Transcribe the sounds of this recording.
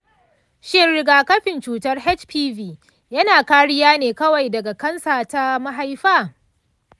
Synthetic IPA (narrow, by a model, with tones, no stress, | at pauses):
ʃɪ˦nɽɪ˨ɡaː˨kɐ˦ɸɪ˨nt͡ʃuː˨tɐ˦rhɛ˦t͡ʃpiː˦viː˨ | jɐ˦naː˨kaː˦ɽɪ˦jaː˦neː˨kɐ˦wa˨jdɐ˨ɡa˨kɐ˦nsa˨ta˦ma˦ɦa˦jɸaː˦